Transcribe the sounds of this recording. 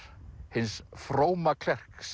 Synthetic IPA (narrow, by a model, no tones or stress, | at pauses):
hɪnsfɾoːwmakʰl̥ɛr̥ks